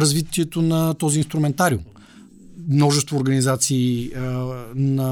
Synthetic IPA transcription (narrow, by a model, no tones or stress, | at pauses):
ɾɐzvit̪iɛt̪onɐt̪ɔziːnst̪ɾumɛnt̪aɾiṵm | mnɔʒɛst̪voːɾɡɐnizat̪siː | nɐ